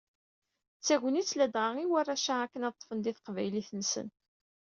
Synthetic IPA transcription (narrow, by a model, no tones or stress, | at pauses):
t͡sːæʝʷnit͡sːlæd̪ʁaʁiwærˤːæʃaækːənɑt̪ˤːfənd̪iθə̥qvæjliθənsə̰n